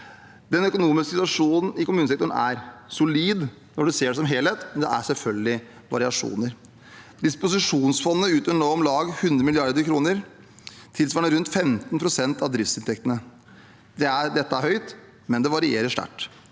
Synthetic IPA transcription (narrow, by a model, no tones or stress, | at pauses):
d̪̥ɛnœkʊnuːmɪskəsɪt̪ːɑʂuːnn̩ɪkʊmʉːnəsɛkt̪ʊɳn̩æ̰ɾsʊliːd̪ | nɔɖʉseːɖɛsɔmɦeːlheːt̪mɛnd̪ɛ̰æ̰sɛlfœlɡəlɪ | ʋɑ̰ɾɪɑʂṵːnəɾ | d̪ɪspʊsɪʂuːnsfɔnːəʉːt̪øəɳɔːɔmlɑːɡhʉnd̪ɾəmɪlɪɑɾd̪əɾkʰɾuːnəɾ | t̪ʰɪlsʋɑːɳəɾʉnt̪fɛmt̪npʰɾʊsɛnt̪ɑʋd̪ɾɪft̪sɪnt̪ʰɛk̚t̪ənə | d̪ɛæɾɖɛt̪ːəæɾhœʏt̪ | mɛnd̪ɛʋɑɾɪeːɾəʂʈ̪æ̰ʈː